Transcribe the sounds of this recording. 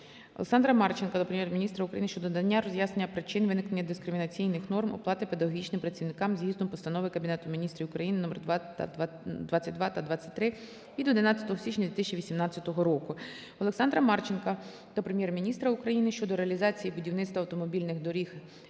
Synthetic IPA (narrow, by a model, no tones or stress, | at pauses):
ɔ̰leksɑnd̪ɾɐmɑrt͡ʃenkɐd̪ɔpɾemjɛrmʲnʲist̪ɾɐʊkɾɐjinɪʃt͡ʃɔd̪d̪ɐnʲːaɾɔzʲjasnenʲːɐpɾɪt͡ʃɪnʋɪnɪknenʲːɐd̪ɪskɾɪmʲinɐt͡sʲijnɪxnɔrmɔ̰plˠɑt̪ɪpe̞d̪ɐɦɔɦʲit͡ʃnɪmpɾɐtʲt͡sʲːiʋwnɪkɑmzɦizd̪ɔmpɔst̪ɐnɔʋɪkɐbʲinɛt̪ʊmʲinʲist̪ɾiʊkɾɐjinɪnɔmɛr̰ | d̪ʋɑt͡sʲːɐt̚ʲd̪ʋɑt̪ɐd̪ʋɑt͡sʲːɐ̥tʲt̪ɾɪ | id̪ɔd̪ɪnɑt͡sʲːɐ̥t̪ɔɦɔsʲit͡ʃɲʲɐd̪ʋʲɪt̪ɪsʲɐt͡ʃʲiʋʲisʲimnɑt͡sʲːɐt̪ɔɦɔɾɔkʊ | ɔlˠeksɑnd̪ɾɐmɑrt͡ʃenkɐ | d̪ɔpɾemʲjɛrmʲinʲist̪ɾɐʊkɾɐjinɪʃt͡ʃɔd̪ɔɾeɐlʲizɑt͡sʲijibʊdʲiwnɪt̪st̪ʋɐwt̪ɔmɔbʲilʲnɪxd̪ɔɾʲix